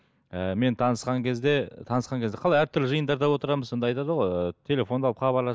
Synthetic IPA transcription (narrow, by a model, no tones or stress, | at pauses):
əme̞nt̪ʰɑnəsqɑŋkʲʰezd̪e̞t̪ʰɑnəsqɑŋkʰʲeze̞qʰɑlˠɑjæɾt̪ʰʏɾlɪʒəjənd̪ɑɾd̪ɑwo̞t̪əɾɑməzsond̪ɑjt̪ɑd̪əʁo̞jət̪ʰe̞lʲe̞fo̞nd̪ɑlˠə̥χɑbɑɾlˠɑ